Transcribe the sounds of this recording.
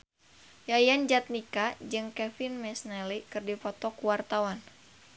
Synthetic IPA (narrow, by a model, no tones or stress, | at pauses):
jajand͡ʒat̪̚nikad͡ʒɨŋkɛfinmɛsnɛlikɨrdifɔt̪ɔkuwart̪awan